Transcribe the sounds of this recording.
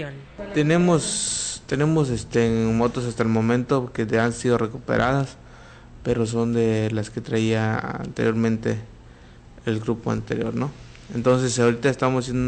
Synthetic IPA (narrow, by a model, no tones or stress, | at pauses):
t̪e̞ne̞most̪e̞ne̞mo̞sest̪emo̞t̪osast̪aelmõ̞mẽ̞nt̪o̞keansiðo̞re̞kupe̞̰ɾʔaðas | pe̞ɾo̞s̬o̞nd̪e̞laske̞t̪ɾaiaa̰nt̪e̞ɾjo̞ɾmẽ̞nt̪e̞̰ | elɡɾupoa̰nt̪e̞̰ɾjo̞ɾno̞ | ent̪o̞ns̬e̞saoɾit̪aest̪amosasjend̪u